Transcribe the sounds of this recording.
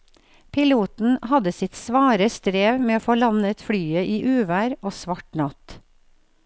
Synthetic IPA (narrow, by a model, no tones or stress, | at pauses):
pʰɪluːt̪n̩hɑd̪əsɪt̪sʋɑːɾəst̪ɾeːʋmeːoːfoːlɑnət̪fɽyːəʔiːʔʉːʋæːɾoːsʋɑʈnɑt̪